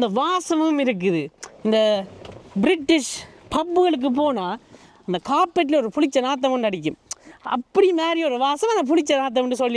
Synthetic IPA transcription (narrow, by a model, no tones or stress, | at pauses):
ɪnd̪ɐʋaːsɐmɯmɪɾɯk̬ːɯðɯɪnd̪ɐ | bɪɾɪʈːɪʂpɐpːɯɣɐɭɯk̬ːɯp̬oːnaː | ɪnd̪ɐkaːpːɛʈ̬ːɪlɔɾɯpʊɻɪt͡ʃːɐnaːt̪̬ːɐmɯnɐɽɪk̬ʲːɯmɐ̰pːɐɽimaːɾɪjɔɾɯʋaːsɐmɐnd̪ɐp̬ʊlɪt͡ʃːɐnaːt̪̬ːɐmɐɳɖɯsɔlːɪ